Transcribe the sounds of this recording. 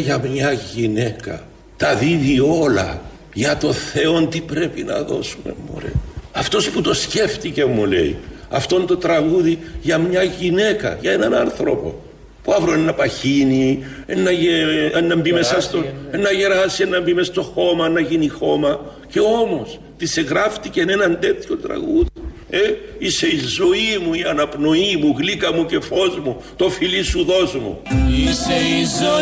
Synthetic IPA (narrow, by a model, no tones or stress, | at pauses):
ʝɐmɲɐʝine̞kɐ̰ | t̪ɐðivio̞lɐ̰ | ʝɐt̪o̞nθe̞o̞nt̪ipɾe̞pinɐ̰ðo̞̰sume̞̰mːo̰ɾḛɐft̪o̞sput̪o̞sce̞ft̪icemːule̞̰ḭɐft̪o̞nt̪o̞t̪ɾɐɣuðiʝɐmɲɐʝine̞kɐ̰ʝɐe̞nɐnɐnθɾo̞̰po̞̰ | puɐvɾoenːɐpɐçinienːɐeenːɐmbimesɐst̪oenːɐʝe̞ɾɐsienːɐmbimest̪o̞xo̞mɐenːɐʝinixo̞mɐce̞o̞mo̞s | t̪iseɣɾɐft̪icenenɐnd̪e̞t̪ço̞t̪ɾɐ̰ɣuði | eise̞izo̞imuiɐnɐpno̞imuɣlikɐmuce̞fo̞zmu | t̪o̞filisuðo̞zmṵisiz